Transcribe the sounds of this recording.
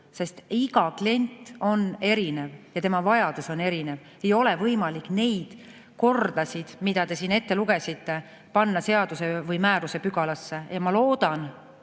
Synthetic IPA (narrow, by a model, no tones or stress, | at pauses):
se̞st̪iɡ̥ɑklie̞nʲt̪ˑo̞ne̞ɾine̞vjɑt̪e̞mɑvɑjɑd̪̥uso̞ne̞ɾine̞v | e̞jo̞levɤjmɑlikˑne̞jd̪̥ | ko̞rd̪̥ɑsʲid̪̥mid̪̥ɑt̪e̞siːne̞t̪ːe̞luɡ̥e̞sit̪ːe̞ | pɑnːɑse̞ɑd̪̥use̞vɤjmæːɾuse̞pyɡ̥ɑlɑsːe̞jɑmɑlo̞ːd̪̥ɑn